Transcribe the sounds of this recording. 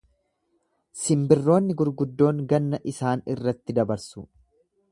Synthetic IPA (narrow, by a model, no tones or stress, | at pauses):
sɪmbɪrːo̞ːnːɪɡʊɾɡʊd̪ːo̞ːŋɡɐnːɐʔɪsaːnɪrːɐt̪ːɪd̪ɐbɐɾsʊ